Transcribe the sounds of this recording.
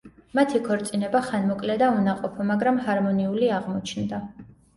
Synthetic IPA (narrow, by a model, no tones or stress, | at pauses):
mat̪ʰikʰɔɾt̪sʼinɛbaχanmɔkʼlɛd̪aunaqʼɔpʰɔmaɡɾamɦaɾmɔniuliaʁmɔt͡ʃʰnd̪a